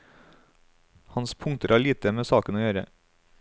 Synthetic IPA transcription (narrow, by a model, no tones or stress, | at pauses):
hɑnspʰʊŋt̪əɾæːɭiːt̪əmeːsɑːkənoːjøːɾə̰